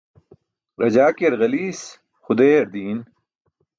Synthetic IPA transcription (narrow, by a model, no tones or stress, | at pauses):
ɾɐd͡ʑaːkeɾɣɐliːs | xʊd̪eːɐɾd̪iːn